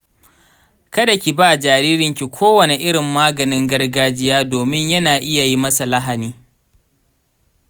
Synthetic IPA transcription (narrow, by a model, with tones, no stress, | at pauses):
kɐ˦da˨kʲi˨baː˦˨d͡ʒaː˨ɾiː˦ɾɪ˦ŋkʲi˨kʷʰoː˦wɐ˨ne˨ʔɪ˦ɽɪ˨mːaː˦ɡɐ˨nɪ˦ŋɡɐ˦rɡaː˦d͡ʒɪ˦jaː˦doː˨mɪ˦ɲjɐ˦naː˨ʔɪ˦ja˨ji˦mɐ˦sa˨lɐ˦ɦa˨niː˦